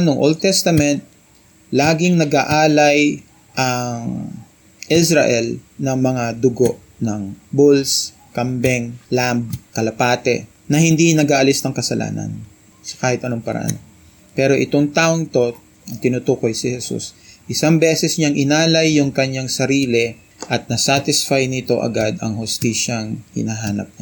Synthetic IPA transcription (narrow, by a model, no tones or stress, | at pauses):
noŋʔold̪̚t̪ɛst̪ɐmɛnt̪̚ | laːɡɪŋnɐɡaʔaːlɐj | ʔɐŋ | ʔɪsɾɐ̰ʔɛlnɐŋmɐŋad̪ʊɡoʔ | nɐŋbuls | kɐmbɛŋlamb̚kɐlɐpaːt̪ɛ̰ | nɐhɪnd̪inɐɡaːʔɐlɪsnɐŋkɐsɐlʔa̰ːnɐ̰n | sɐ̥kaːhɪt̪ʔɐno̞ŋpɐɾɐ̰ʔa̰n | pɛɾo̞ʔɪt̪oŋt̪aːʔoŋt̪o̞ | ɐŋt̪ɪnut̪uːko̞jsɪhɛsṵsʔɪsaŋbɛsɛsɲaŋʔɪnaːlɐjːʊŋkɐɲaŋsɐɾiːlɛ | ʔɐt̪̚nɐsaːt̪ɪsfajnɪt̪o̞ʔɐ̰ɡad̪ɐ̰ŋhʊst̪iːʃɐŋhɪ̰naːɦaːnɐ̰p̚ɲa